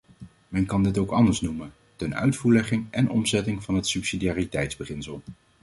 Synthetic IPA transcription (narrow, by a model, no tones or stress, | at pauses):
mɛnkɑndɪtowkɑndəɹsnumən | tɛnœ̰ɥtfuːɹlɛχɪŋʔɛnʔɔ̰mzɛtɪŋvɑnɦətsypsidiaːritɛjtzbəχɪnsəlˠ